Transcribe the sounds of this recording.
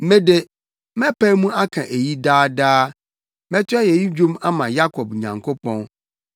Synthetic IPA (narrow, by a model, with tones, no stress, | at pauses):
m̩˦mẽ˦de˨ | mɛ̃˦pʰæ˦mũ˦a˦kʰã̰˨ʔe˨ji˦daː˦daː˦ | mɛ̃˦tʰʊ˦ɛ˦jɛ˨ji˦d͡ʑᶣũ˦ma˦mã˨ja˦kʰɔ˨b̚ɲã̰˨ŋkʰo˦pʰɔ̃˦n